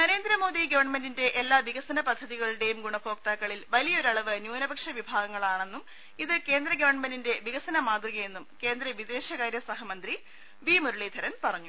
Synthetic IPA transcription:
nɐɾe̞ːnd̪ɾɐmo̞ːðiɡɐʋɐrɳɐmendinde̞ʔelːaːʋiɣɐsɐnɐpɐd̪ʱːɐðiɣɐɭuɽe̞jumɡuɳɐbʰo̞ːk̚t̪aːkːɐɭilʋɐlijɐo̞ɾɐɭɐʋɨnjuːnɐbɐkʂɐʋibʱaːɡɐŋːɐɭaːɳe̞nːum | iðɨke̞ːnd̪ɾɐɡɐʋɐrɳɐmendinde̞ʋiɣɐsɐnɐmaːd̪riɣɐje̞nːumke̞ːnd̪ɾɐʋid̪e̞ːɕɐɣaːɾjɐsɐɦɐmɐnd̪ri | ʋiːmuɾuɭeːd̪ʱɐɾɐnpɐrɐɲːu

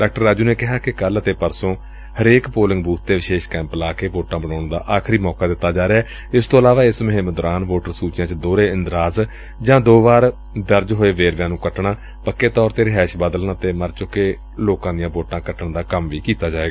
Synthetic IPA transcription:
ɖaːk̚ʈəɾːaːd͡ʒuːneːkɪɦaːkɪkələt̪eːpəɾsõː | həɾeːkpoːlɪ̃ŋɡbuːt̪t̪eːʋɪʃeːʃkɛ̃ːmplaːkeːʋoːʈãːbənaːɳd̪a̰ːʔaːkʰɾiːmɔːkaːd̪ɪt̪ːaːd͡ʒaːɾeaː | ɪst̪oːəlaːʋaːɪsmʊɦɪ̃məd̪ʊɾaːnʋoːʈəɾsuːt͡ʃjãːt͡ʃd̪oːɾeːɪnd̪ɾaːz | d͡ʒãːd̪oːʋaːɾ | d̪əɾd͡ʒɦoːeːʋeːɾʋjãːnũːkəʈɳaː | pəkːeːt̪ɔːɾt̪eːɾɪɦaːɪʃbaːd̪əlnaːt̪eːməɾt͡ʃʊkeː | loːkãːd̪ɪjãːʋoːʈãːkəʈəɳd̪aːkəmʋiːkiːt̪aːd͡ʒaːʋeːɡaː

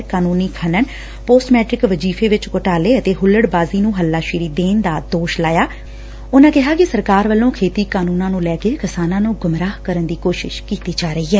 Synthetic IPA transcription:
kaːnũːniːkʰənən | poːsmɛːʈɾɪkʋəd͡ʒiːfʰeːʋɪt͡ʃkʊʈaːleːət̪eːɦʊlːəɽbaːziːnũːɦəlːaːʃɪɾiːd̪eːnd̪aːd̪oːʃlaːjaː | ʊnãːkɪɦaːkɪsəɾkaːɾʋəlːõːkʰeːt̪iːkaːnũːnãːnũːlɛːkeːkɪsaːnãːnũːɡʊmɾaːhkəɾənd̪iːkoːʃɪ̰ʃkiːt̪iːd͡ʒaːɾəiːɦɛː

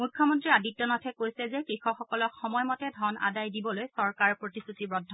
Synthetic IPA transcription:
mujkʰːɔmɔntɹiadit̚ːɔnɔtʰɛkojsɛzɛkɹixɔxɔkɔlɔkxɔmɔjmɔtɛdʱɔna̰dajdibɔlojsɔɹkaɹpɹotisutibɹɔdʱːɔ

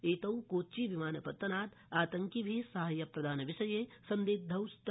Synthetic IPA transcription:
eːt̪ɐwkoːt͡ʃiʋimaːnɐpɐt̪ːɐnaːt̪ | aːt̪ɐŋkibʱiːsaɦɐjːɐpɾɐd̪ʱaːnɐʋɪʃɐjeːsɐ̃nd̪eːd̪̚d̪ʱɐwst̪

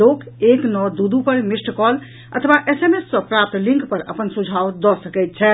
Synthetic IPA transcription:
okeknɔd̪ud̪upəɾmisʈʰkɔl | ə̰t̪ʰəʋaʔesemesːɔ̃pɾap̚t̪lĩŋkpəɾə̰pənsud͡ʒʱawd̪ɔsəkɛjt̪̚t͡ʃʰɛ

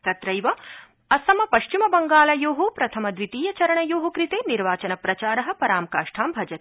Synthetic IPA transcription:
t̪ɐt̪ɾɐjʋɐ | ɐsɐmɐpɐʃt͡ʃimɐbɐŋɡaːlɐjoːɦopɾɐt̪ʰɐmɐd̪ʋit̪iːjɐt͡ʃɐɾɐɳɐjoːɦɐkɾit̪eːniɾʋaːt͡ʃɐnɐpɾɐt͡ʃaːɾɐɦɐ̆pɐɾaːmkaːʂʈʰaːmbʱɐd͡ʒɐt̪e̥

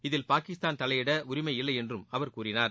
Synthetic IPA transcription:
ɪðɪlpaːkɪst̪aːnt̪ɐlɐjɪɽɐʊɾɪmɐɪɪlːɐjɛndrɯmɐʋɐɾkuːɾɪnaːɾ

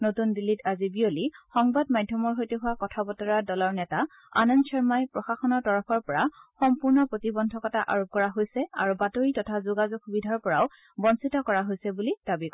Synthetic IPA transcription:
notundilitazibiolixɔŋbad̚majdʱːɔmɔɹɦojteɦʊwakɔtʰabɔtɔɹadɔlɔɹnɛta | a̰nɔnt͡ʃʰɛɹmajpɹɔxaxɔnɔɹtɔɹɔpʰɔɹpɔɹaxɔmpuɹnɔpɹotibɔndʱɔkɔtaʔa̰ɹop̚kɔɹaɦojsɛa̰ɹubatoɹitɔtʰazoɡazoɡ̚xubidʱaɹpɔɹaʊ | bɔnsitɔkɔɹaɦojsɛbulid̥abikɔ

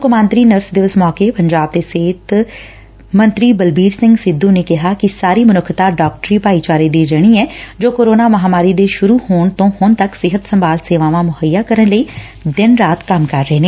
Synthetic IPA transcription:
kʊmaːnt̪ɾiːnəɾsd̪ɪʋʊsmɔːkeːpəɲd͡ʒaːb̚d̪eːseːt̪ | mənt̪ɾiːbəlbiːɾsɪ̃ŋɡsɪd̪ːũːneːkɪɦaːkɪsaːɾiːmənʊkʰt̪aːɖɔːk̚ʈəɾiːpaːiːt͡ʃaːɾeːd̪iːɾəɽ̃iːɛːd͡ʒoːkoːɾoːnaːməɦaːmaːɾiːd̪eːʃʊɾuːhoːɳt̪õːhʊnt̪əksɪɦət̪səmbaːlseːʋãːʋãːmʊhəjːaːkəɾənləiː | d̪ɪnɾaːt̪kəmkəɾːəɦeːneː

